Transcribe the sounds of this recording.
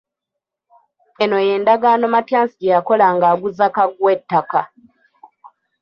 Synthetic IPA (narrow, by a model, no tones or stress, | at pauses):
e̞no̞je̞ːndaɡano̞matjaːnsiɟejako̞laŋɡaːɡuzakaɡwe̞tːaka